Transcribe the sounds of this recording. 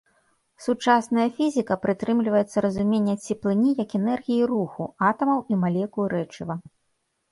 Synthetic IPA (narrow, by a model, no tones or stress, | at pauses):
sut͡ʂasnɐjɐfʲizʲikɐpɾɨt̪ɾɨmlʲivɐjɛt̪sːɐɾɐzumʲenʲːɐt͡sʲɛplˠɨnʲijɐkɛnɛrɣʲijiruxuat̪ɐmɐwimalʲɛkuɾɛt͡ʂivɐ